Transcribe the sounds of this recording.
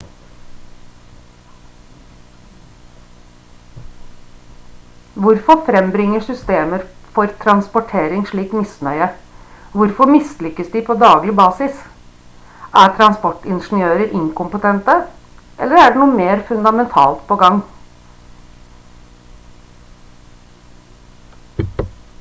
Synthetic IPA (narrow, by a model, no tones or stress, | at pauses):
ʋʊɾfɔfɾɛmbɾɪŋːəʂʏst̪eːməɾfɔɾt̪ʰɾɑnspɔʈʰeːɾɪŋʂɭiːkmɪsnœʏəʋʊɾfɔmɪslʏkːəsd̪ɪpʰoːd̪ɑːɡlɪbɑːsɪs | ʔæːɾt̪ʰɾɑnspɔʈːɪnʂn̩ɪøːɾəɾʔɪŋkʊmpət̪ʰɛnt̪ə | ʔɛ̰lːəɾæɖenuːəmeːɾfʉnd̪ɑmɛnt̪ʰɑ̰ːlt̪pʰoːɡɑŋː